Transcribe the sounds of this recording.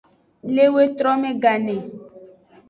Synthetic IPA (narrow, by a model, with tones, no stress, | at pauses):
le˦we˦t̪ɾɔ˦mẽ˦ɡa˨nɛ̃˨